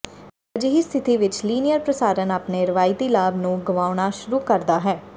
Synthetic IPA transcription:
əd͡ʒɦiːst̪ʰɪt̪iːʋɪt͡ʃliːnɪjəɾpɾəsaːɾənaːpneːɾɪʋaːɪt̪iːlaːbnũːɡəʋaːʊɳ̃aːʃʊɾuːkəɾd̪aːɦɛː

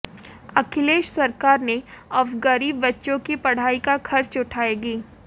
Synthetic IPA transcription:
ɐkʰɪleːʃsɐɾkaːɾneɔʋɡɐɾiːbːɐtːʃõkipɐɽ̤aːikaxʰɐɾt͡ʃʊʈʰaːeɡiː

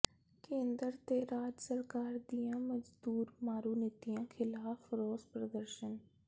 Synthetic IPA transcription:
kẽːnd̪əɾt̪eːɾaːd͡ʒsəɾkaːɾd̪ijãːməd͡ʒd̪uːɾmaːɾuːnɪt̪iãːkʰɪlaːfʰɾoːspɾəd̪əɾʃən

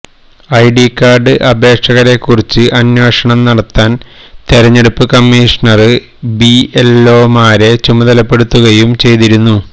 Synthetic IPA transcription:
ɐjɖikːaːrɖɨʔɐbʱe̞ːkʂɐɣɐɾe̞kːurit͡ɕːɨʔɐnjo̞ːʂɐɳɐmnɐɽɐt̪ːaːnt̪eɾɐɲːe̞ɽupːɨkɐmːiːʂɐɳɐrɨ | bielːo̞ːmaːɾe̞t͡ɕumɐðɐlɐpːe̞ɽut̪ːuɣɐjumt͡ɕe̞jt̪iɾunːu

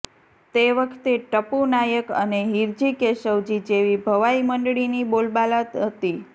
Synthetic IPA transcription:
t̪eʋəkʰt̪eʈəpunajəkə̰neɦiɾd͡ʒikeʃəʋd͡ʒid͡ʒeʋibʱəʋaiməɳɖɭinibolbalat̪ɦət̪i

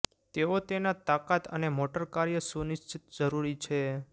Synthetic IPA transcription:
t̪eot̪enat̪akat̪ə̰nemoʈəɾkaɾjəsuniʃt͡ʃit̪d͡ʒəɾuɾit͡ʃʰe

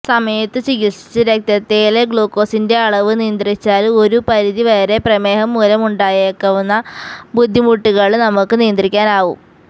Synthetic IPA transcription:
sɐmɐjɐt̪ːɨt͡ɕiɣiʂi̥t͡ɕːɨɾek̚t̪ɐt̪ːeːleɡɭoːkːo̞ːsinde̞ɐɭɐʋɨnijɐnd̪rit͡ɕːaːlo̞ɾupɐɾiðiʋɐjɐɾe̞prɐme̞ːɦɐmːuɾɐmuɳɖaːjeːkːɐʋunːɐbud̪ʱːimuʈːiɣɐɭnɐmukːɨnijɐnd̪rikʲːaːnaːʋṵm

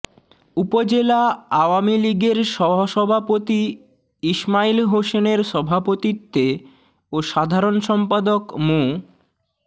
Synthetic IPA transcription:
upod͡ʑelaaoamiliɡeɾʃɔbʱɦoʃɔbʱapot̪i | iʃmailɦoʃeneɾʃɔbʱapot̪it̪ːe | oʃad̪ʱaɾonʃɔmpad̪okmo

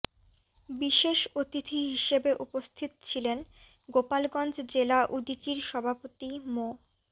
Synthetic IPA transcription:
biʃeʃot̪it̪ʰiɦiʃebeʔupost̪ʰit̪t͡ɕʰilen | ɡopalɡɔnd͡ʑd͡ʑelaʔud̪it͡ɕiɾʃɔbʱapot̪imo

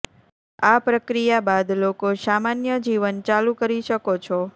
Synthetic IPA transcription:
apɾəkɾijabad̪lokosamanjəd͡ʒiʋənt͡ʃalũkəɾiʃəkot͡ʃʰɔ

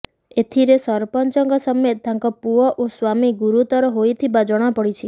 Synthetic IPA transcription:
et̪ʰiɾesɔɾpɔnt͡ʃɔŋɡɔsɔmed̪ʱãŋkɔpuɔʔoswamiɡuɾut̪ɔɾɔɦojt̪ʰibad͡ʒɔɽ̃apɔɽit͡ʃʰi

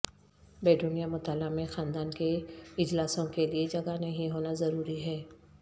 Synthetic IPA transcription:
beːɖunijamʊt̪aːlamẽxaːnd̪aːnkeɪd͡ʒlaːsõkelied͡ʒɐɡanɐɦĩɦoːnazɐɾuːɾiɦɛː

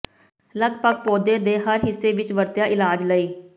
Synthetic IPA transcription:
ləɡpəɡ̚poːd̪eːd̪eːɦəɾɦɪsːeːʋɪt͡ʃʋəɾt̪jaːʔɪlaːd͡ʒləiː

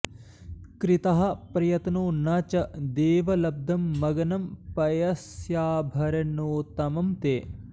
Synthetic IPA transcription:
kɾit̪ɐɦɐpɾɐjɐt̪noːnɐt͡ʃɐd̪eːʋɐlɐb̚d̪ʱɐmːɐɡɐnɐmpɐjɐsjaːbʱɐɾɐnoːt̪ɐmɐmt̪eː

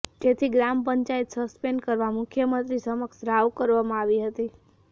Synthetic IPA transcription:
d͡ʒet̪ʰiɡɾampəɲt͡ʃaet̪səspeɳɖkəɾʋamʊkʰjəmə̃nt̪ɾisəməksɾaʋkəɾʋamãaʋiɦət̪i

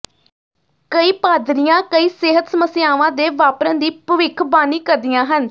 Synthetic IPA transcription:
kəiːpaːd̪ɾɪjãːkəiːseːɦət̪səməsɪjaːʋãːd̪eːʋaːpɾə̃nd̪iːpəʋɪkʰbaːniːkəɾd̪ijãːɦən

